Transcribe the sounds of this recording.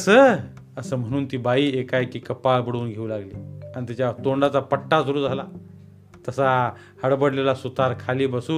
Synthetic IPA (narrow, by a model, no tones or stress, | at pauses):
əsəː | əsəːm̤əɽ̃uːnt̪iːbaiːekajkiːkəpabəɽuːnɡʱeulaɡlḭːañit̪it͡ɕjat̪oɳɖat͡sapəʈːasəɾuːd͡zʱala | t̪əsa | həɽbəɽlelasut̪aɾkʰaliːbəsuː